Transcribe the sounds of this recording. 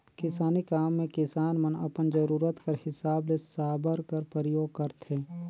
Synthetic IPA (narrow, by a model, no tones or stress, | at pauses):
kɪsaːnikaːmːẽkɪsaːnmənə̰pənd͡ʒəɾuːɾət̪kəɾhɪsaːblesaːbəɾkəɾpəɾəjoːɡ̚kəɾt̪ʰeː